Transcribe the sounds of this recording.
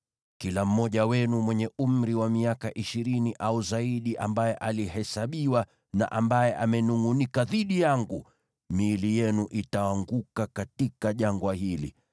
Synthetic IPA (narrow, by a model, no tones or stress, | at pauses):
kilam̩mɔʄawɛnumwɛɲɛum̩ɾiwamiakaʔiʃiɾiniʔauzaiɗiʔambajɛʔalihɛsaɓiwa | na̰ʔambajɛʔamɛnuŋunikaðiɗijaŋɡu | miːlijɛnuʔitawaŋɡukakatikaʄaŋɡwahilḭ